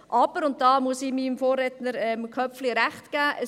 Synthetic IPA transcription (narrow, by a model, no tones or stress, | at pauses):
ʔɑb̥əɾʊnt̚dɑːmuəsɪmiːmfoːɾɛtnəɾɛmkʰœflɪɾæχtɡ̥æːʔə